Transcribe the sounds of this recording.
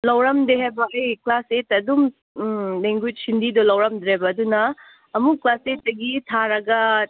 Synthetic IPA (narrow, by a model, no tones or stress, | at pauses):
lɐwɾɐmdeɦajbɐɐjklasetɐdum | leŋɡud͡ʒ̚sindidulɐwɾɐmd̪ɾebɐːdunɐː | muklaset̚ːɐɡitʰaɾɐɡɐ